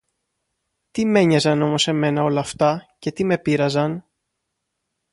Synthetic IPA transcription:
t̪ime̞ɲɐzɐno̞mo̞se̞me̞nɐo̞lɐːft̪ɐce̞t̪ime̞piɾɐzɐn

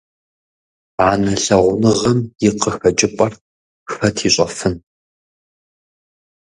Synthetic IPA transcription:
aːnɐɬɐʁʷʊnɨʁɐmjɪqəxɐt͡ʃʼɪpʼɐr | xɐtʰiːɕʷʼɐfɨn

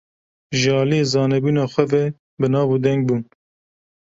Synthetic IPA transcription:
ʒɑːlijezɑːnɛbuːnɑːxʷɛvɛ | bɨnɑːvud̪ɛŋɡ̚buːn

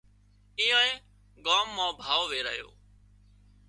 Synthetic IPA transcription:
iːõːeː | ɠaːmːãːbʱaːʋoʋeːɾə̰ɦjo̰ː

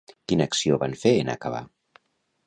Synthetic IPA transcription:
kinaksioβanfeena̰kaβ̞a̰

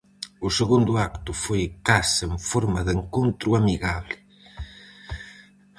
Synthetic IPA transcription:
ʊseɣund̪ʊakt̪ʊfojkaseɱfoɾmaðeŋkont̪ɾʊamiɣaβlɪ

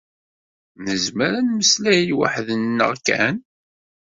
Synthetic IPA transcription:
nəzməɾænməslæjwa̰ħðənːə̰ʁkæ̰n

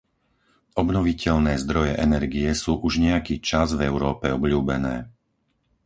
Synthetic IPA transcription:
ɔbnɔʋicɛʎnɛːzd̪ɾɔjɛ̰ʔɛnɛɾɡiɛsuːʔuʒɲɛjakiːt͡ʃazvɛʊɾɔːpɛɔbʎuːbɛnɛː

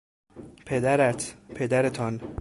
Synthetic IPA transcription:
pʰe̞d̪æɾæt̪ʰpʰe̞d̪æɾet̪ʰɒn

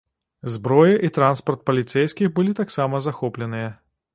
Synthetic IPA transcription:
zbɾɔjɛʔit̪ɾanspɐrt̪̚pɐlʲit̪sɛjskʲixbɨlʲit̪aksamɐzaxɔplʲɛnɨjɐ

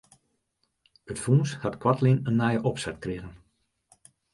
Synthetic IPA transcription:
ətfuːnshatkwatlinənːɛjəʔɔpsɛtkreːɣən

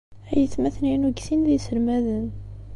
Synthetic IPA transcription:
æjəθmæθninuɡθinðisəlmæðən

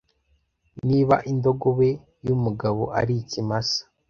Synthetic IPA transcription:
niːβa̰ʔindo̞ɡoβe̞ | jumuɡaβo̞̰ʔa̰ɾicimasḁ

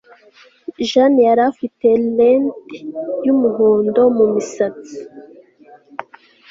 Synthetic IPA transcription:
ʒanjaɾafitelentjumuɦoːndo̞mumisat͡si̥

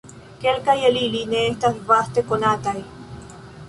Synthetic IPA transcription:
kelkajelilineːht̪aɦpaht̪ekonat̪ai

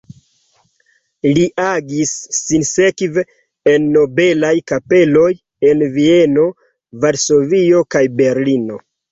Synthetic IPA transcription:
liʔaɡisːinsekve | enːo̞be̞lajkape̞lo̞j | e̞nvie̞no̞ | vaɾso̞vio̞kajbe̞ɾlino̞

